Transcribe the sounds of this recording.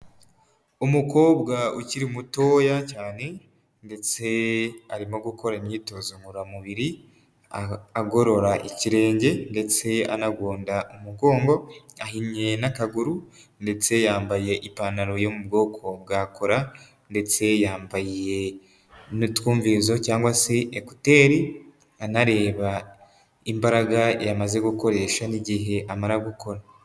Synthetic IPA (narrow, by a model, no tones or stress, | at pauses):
umuko̞ːbɡauciɾimuto̞ːjacaːne̞ | nde̞t͡se̞aɾimo̞ɡuko̞ɾanito̞zomuɾamuβiɾi | aaɡo̞ɾo̞ɾaʔiciɾe̞ːɲɟe̞nde̞t͡se̞a̰naɡwuːndaʔumub̚ɡo̞ːŋɡo̞aɦiɲɲe̞nakaɡuɾu | nde̞t͡se̞jaːmbaje̞ʔipanaɾo̞jomub̚ɡo̞ːkʰo̞bɡaːkʰo̞ɾa | nde̞t͡se̞jaːmbajije̞ | nutkuːɱvizo̞caːŋɡwaseʔeku̥te̞ːɾi | anaɾe̞ːβa | imbaɾaɡajamaze̞ɡuko̞ɾe̞ːʃaniɟiɦe̞ʔamaɾaɡuko̞ɾa